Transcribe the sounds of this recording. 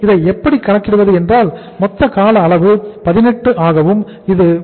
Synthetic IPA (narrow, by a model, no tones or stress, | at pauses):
ɪðɐɪɛpːɐɽikːɐɳɐkːɪɽɯʋɐðɯɛndraːl | mɔt̪ːɐkaːlɐːɭɐʋɯpɐðɪnɛʈːɯʔaːɣɐʋɯm | ɪðɯ